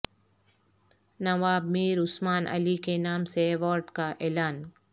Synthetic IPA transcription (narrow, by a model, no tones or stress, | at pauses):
nɐʋaːbmiːɾʊsmaːnʔə̰likenaːmseːʋɔːɾɖkaʔeːlaːn